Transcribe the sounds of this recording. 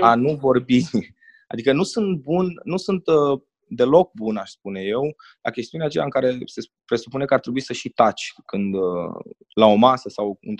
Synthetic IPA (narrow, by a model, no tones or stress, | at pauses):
anuvo̞rbi | a̰d̪ikənusunt̪̚bunnusunt̪ | d̪e̞lo̞k̚bunaʃspunje̞w | la̰kʲe̞st̪iuneat͡ʃelaɨŋkaɾe̞se̞ | pɾe̞supune̞kəart̪ɾe̞buisəʃit̪at͡ʃʲkɨnd̪ | lao̞masəsawɨ̰n